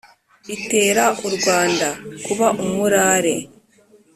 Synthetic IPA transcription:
ite̞ːɾaʔuɾɡwaːndakuβaʔumuɾaːɾe̞

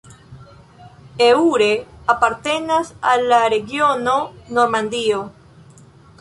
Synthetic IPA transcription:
euɾeapaɾt̪e̞nasalːaɾeɡjono̞noɾmand̪io

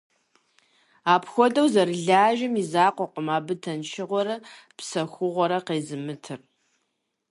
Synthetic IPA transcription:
aːpxʷɔdɐwzɐrɨɮaːʒɪmizaːqʷɔqʷəmaːbɨtʰɐnʃɪʁʷɔɾɐ | psɐxʷʊʁʷɔɾɐqeːzɨmɨtʰɨr

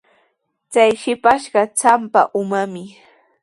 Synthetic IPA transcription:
t͡sajʃɪpaʃɢɑt͡sampa̰ʔʊmamɪ

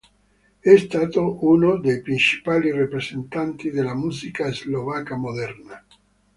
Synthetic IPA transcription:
ɛst̪aːt̪oʔunod̪ejpɾint͡ʃi̥paːlirepɾezent̪ant̪id̪elamuːzikaezlovakamod̪ɛrna

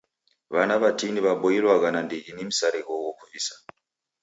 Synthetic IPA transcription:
ʋanaβatiniβaɓojilwakananded͡ʒinemusaɾeɣowokuvisa

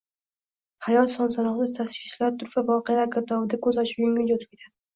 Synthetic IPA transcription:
hajɒt̪sɒnsɒnɒʁnat̪ʰaʃkʲɪʃlaɾt̪ʰʊɾvavɒqealaɾkʲʰɪɾt̪ʰɒbɪd̪akʰɵzɒʃɪ̥pjoŋʲɪnjot̪ʰɪp̚ʲe̞t̪ʰad̪ɪ

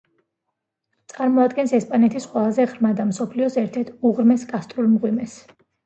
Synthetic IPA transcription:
t̪sʼaɾmɔad̪ɡɛnsɛspʼanɛt̪ʰisqʼwɛlˠazɛʁɾmad̪amsɔpʰliɔsɛɾt̪ʰɛɾt̪ʰuʁɾmɛsɡʼast̪ʼɾulˠmʁwimɛs

